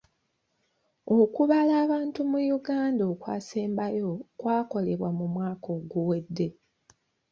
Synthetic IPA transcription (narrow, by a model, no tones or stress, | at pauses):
o̞kuβalaːβaːntumujuɡaːndoːkwa̰ːseːmbajo̞kwaːko̞le̞βwamumwaːko̞ːɡuwe̞dːe̞